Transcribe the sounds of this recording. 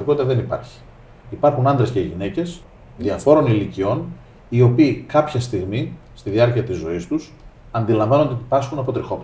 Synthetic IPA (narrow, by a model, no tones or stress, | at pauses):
ikot̪it̪ɐðe̞nipɐ̰ɾçi̥ː | pɐɾxunɐnd̪ɾe̞sceʝine̞ce̞s | ðiɐfo̞ɾo̞nilicio̞n | io̞piːkɐpçɐst̪iɣmist̪iðiɐɾciɐt̪izːo̞ist̪us | ɐnd̪ilɐɱvɐno̞nd̪eipɐsxunɐpo̞t̪ɾixo̞p